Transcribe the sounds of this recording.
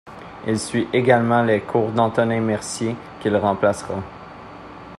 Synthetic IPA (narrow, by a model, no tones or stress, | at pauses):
ilsɥiʔeɡalmɑ̃lekʰuːʁd̪ɑ̃t̪ɔnɛmɛʁsi | kʲilʁɑ̃plasʁã